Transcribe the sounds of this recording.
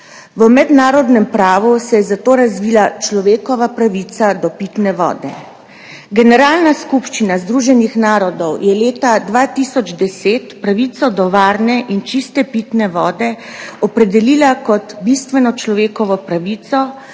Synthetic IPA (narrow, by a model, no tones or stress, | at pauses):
ʋəmɛd̪naːɾɔd̪nɛmpɾaːʋusɛjɛzat̪oːɾazʋiːlat͡ʃlɔʋeːkɔʋapɾaʋit̪sad̪ɔpit̪nɛʋɔ̰ːd̪ɛ̰ | ɡɛnɛɾaːlnaskupʃt͡ʃinazd̪ɾuʒɛnixnaːɾɔd̪ɔwjɛleːt̪ad̪ʋat̪isɔd͡ʒd̪ɛseːt̪pɾaʋit̪sɔd̪ɔʋaːɾnɛʔint͡ʃist̪ɛpit̪nɛʋɔːd̪ɛ | ɔpɾɛd̪ɛliːlakɔt̪bist̪ʋɛnɔt͡ʃlɔʋeːkɔʋɔpɾaʋiːt̪sɔ